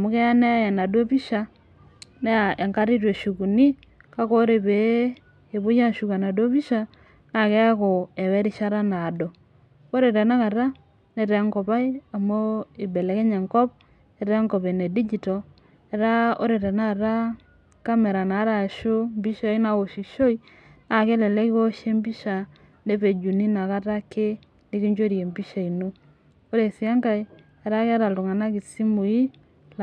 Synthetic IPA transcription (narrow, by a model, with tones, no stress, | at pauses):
a˨mu˦kɛ˦a˦ne˦ja˨na˨do˦pi˦ʃa˨ | ne˦a˨ʔe˨ŋka˦ɾi˦te˨ʃu˨ku˨ni˦ | ka˦ko˦ɾe˨βe˨ | e˨βo˦ja˦ʃu˨ka˨na˨do˦βi˦ʃa˦ | na˨kɛ˦ja˦ko˨e˨wɛ˦ɾi˦ʃa˦ɾa˦na˨dɔ˨ | o˦ɾe˨ɾe˨na˦ka˨ɾa˦ | ne˨ɾe˨˦ŋko˨pa˦i˦a˨mo˦i˨bɛ˨le˨ke˦ɲe˨ŋkɔ˦p̚ | ne˨ɾɛ˦ŋko˨βe˨ne˨di˦d͡ʒi˨to˨ | e˨ɾa˦o˦ɾe˨ɾe˨na˦˨ɾa˦ | ka˦me˨ɾa˨na˨˦ɾa˨ʃo˦mbi˦ʃa˨i˦na˨wo˨ʃi˨ʃo˦i˦ | a˦˨ke˦lɛ˨le˦ki˦ko˦ʃe˦mbi˦ʃa˨ | ne˦pe˨d͡ʒu˨ni˦na˨ka˦ta˦ke˦ | ni˦ki˦ɲd͡ʒo˦ɾi˨e˨mbi˦ʃa˨i˨no˦ | o˦ɾe˨si˨a˦ŋka˨i | a˨ɾa˦ke˦a˦ɾa˨ltu˨ŋa˨na˦ki˨si˦mu˨ji˦